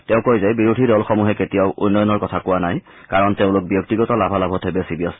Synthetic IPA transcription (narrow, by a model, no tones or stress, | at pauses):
teʊ̃kojzɛbiɹudʱidɔlxɔmuɦɛketijaʊʔṵnːɔjɔnɔɹkɔtʰakʊwanaj | kaɹɔnteʊ̃lʊk̚bjɔk̚tiɡɔtɔlabʱalabʱɔtʰebɛsibijɔs